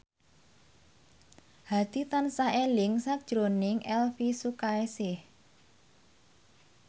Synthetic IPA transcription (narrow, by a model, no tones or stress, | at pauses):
had̪̥it̪ansaelɪŋsakd̥ʒ̥ɾonɪŋʔɛlfisukaesɪh